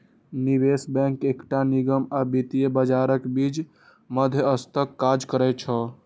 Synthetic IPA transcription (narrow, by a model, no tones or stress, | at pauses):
nibesbɛ̃ŋkekʈaniɡəmabit̪ijebəd͡ʒaɾəkbid͡ʒ | məd̪ʱjəəst̪əkːad͡ʒkəɾɛt͡ʃʰə